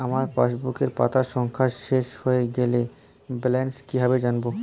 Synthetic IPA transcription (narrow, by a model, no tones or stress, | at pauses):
amaɾfaʃbukeɾpa̰t̪aʃɔŋkʰaʃeʃhoeɡele | blɛnskibʱabed͡ʑanbo